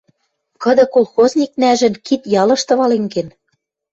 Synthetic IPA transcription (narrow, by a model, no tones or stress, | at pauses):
kɤ̆d̪ɤ̆kolxozʲnʲik̚næʒɘ̆nkit̪jɑlɤ̆ʃt̪ɤ̆βɑleŋɡen